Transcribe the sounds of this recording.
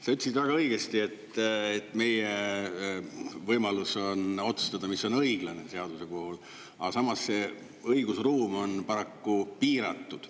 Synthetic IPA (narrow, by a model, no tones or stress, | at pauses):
sɑyt̪ːˑsit̪væɡ̥ɑɤiɡ̥e̞st̪ie̞t̪ːet̪ːˑme̞je | vɤjmɑluso̞no̞t̪su̥st̪ɑd̪̥ɑmisːo̞nɤjɡ̥lɑne̞se̞ɑd̪use̞po̞hol | ɑsɑmɑsse̞ | ɤjɡ̥usruːmo̞npɑɾɑkːupiːɾɑ̰t̪ːˑud̪̥